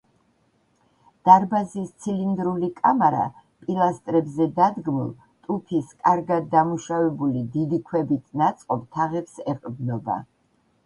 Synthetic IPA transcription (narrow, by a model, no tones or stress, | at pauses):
d̪̥aɾbazist̪sʰilind̪ɾulikʼamaɾa̰ | pʼilˠast̪ʼɾɛbzɛd̪ad̪ɡmulˠ | t̪ʼupʰiskʼaɾɡad̪ːamuʃavɛbulid̪id̪ikʰwɛbit̪ʰnat̪sʼqʼɔpt̪ʰaʁɛpsɛqʼbnɔba̰